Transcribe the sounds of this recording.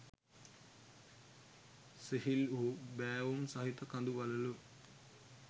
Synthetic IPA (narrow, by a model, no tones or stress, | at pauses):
seɦiluːbæːʋumsɐɦit̪ɐkɐnd̪uʋɐlɐlu